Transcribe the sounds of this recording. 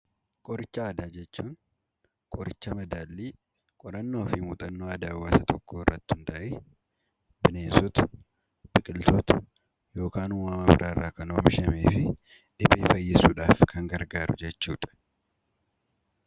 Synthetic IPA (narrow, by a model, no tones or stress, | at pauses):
kʼɔɾɪt͡ʃːɐaːd̪aːd͡ʒɛt͡ʃːuːŋ | kʼɔɾɪt͡ʃːɐmɐd̪aːlːiː | kʼɔɾɐnːo̞ːfɪmuːt̪ʼɐnːoːɐd̪aːwːaːsɐt̪ɔkːoːɪrːɐt̪ːɪhʊnt̪ɐʔeː | bɪneːsɔːt̪ɐ̥ | b̥ɪkʼɪlt̪oːt̪ɐ̥ | jo̞ːkaːnʊwaːmɐbɪ̰ɾʔaːrːaːkɐnoːmɪʃɐmeːfɪ | ᶑɪbeːfɐjːɪsuːᶑaːfkʰɐŋɡɐɾɡaːɾʊ̰d͡ʒɛt͡ʃːuːᶑɐ̥